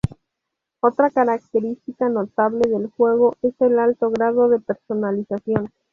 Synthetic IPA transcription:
o̞t̪ɾakaɾak̚t̪e̞ɾist̪ikano̞t̪aβle̞ðe̞lxwe̞ɣ̞o̞e̞se̞lalt̪o̞ɣɾað̞o̞ðe̞pe̞ɾso̞nalisasjo̞n

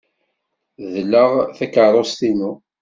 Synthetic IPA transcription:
ðlːəʁθækːəɾˤost̪inu

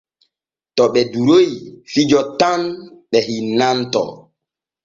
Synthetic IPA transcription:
tɔɓɛduɾojfid͡ʒɔtanɓɛhinantɔ̰

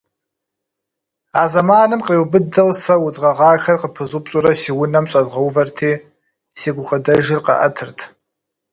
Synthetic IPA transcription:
aːzɐmaːnɨmqeːwbɨdɐwsɐwʊt͡sʼʁɐʁɑːxɐrqəpʰɨzʼʊpɕʼʊɾɐsiːwʊnɐmɕʼɐzʁɐwvɐrtʰeː | siːɡʷʊχədɐʒɪrqɐ̰ʔɐtʰɨrtʰ

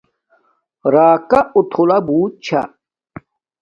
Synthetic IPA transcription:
ɾaːkaut̪ʰulabuːt̪̚t͡ɕʰa̰

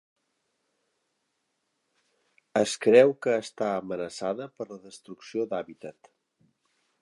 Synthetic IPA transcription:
əskɾɛwkəːst̪aəmənəsaðəpəɾləðəst̪ɾuksiod̪aβit̪ət̪

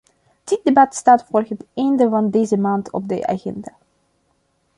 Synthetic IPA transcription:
d̥ɪt̚debɑtstaːtfʊːrɣɦətɛjndəvɑndeːzəmaːntɔ̰b̚də̰ʔa̰ːχɛ̰ndaː

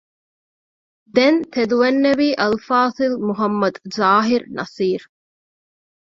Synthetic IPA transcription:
d̪ent̪ʰed̪uʋenːeʋiːʔɐlfaːsilmuɦɐmːɐd̪zaːɦiɾnɐsiːɾ

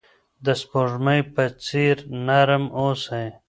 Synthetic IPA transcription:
d̪əspoʐmajpət͡siɾnaɾəmoːsaj

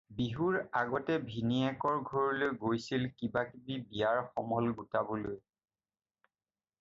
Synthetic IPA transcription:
biɦuɹaɡɔtɛbʱiniɛkɔɹɡʱɔɹilojɡojsilkibakibibijaɹxɔmɔlɡutabɔloj

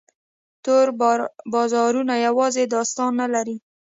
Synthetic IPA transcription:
t̪oɾbɑzɑɾunajawɑzed̪ɑst̪ɑnːalaɾi

